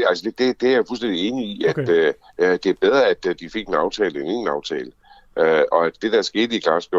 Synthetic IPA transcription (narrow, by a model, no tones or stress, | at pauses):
ælsəd̥ed̥e̝d̥e̝æɐjfulsd̥en̰d̥ie̝ːniiæd̥ø | d̥e̝æɐb̥eð̞ˠʁɐæd̥d̥ife̝ɡ̥en̩ɑ̈ʊt͡sʰɛːləene̝ŋn̩ɑ̈ʊt͡sʰɛ̰ːlə | ʔøɒ̽æd̥e̝d̥ææɐsɡ̥e̝ːdəikʰlɑ̈sb̥o